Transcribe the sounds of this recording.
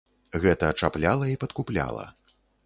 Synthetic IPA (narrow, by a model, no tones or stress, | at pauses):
ɣɛt̪ɐːt͡ʂaplʲalˠɐipɐt̪kuplʲa̰lˠɐ̰